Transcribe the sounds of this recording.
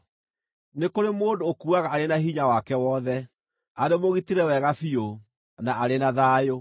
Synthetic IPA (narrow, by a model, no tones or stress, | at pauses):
nekoɾemoːndoːkuaɣaːɾenahiɲawakɛwɔðɛ | aɾemoɣiteɾɛwɛɣafio | naʔːɾenaðaːjo